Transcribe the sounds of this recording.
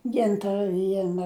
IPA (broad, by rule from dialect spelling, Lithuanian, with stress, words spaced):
ˈɡʲɪntɐrɐ ˈʋʲiɛnɐ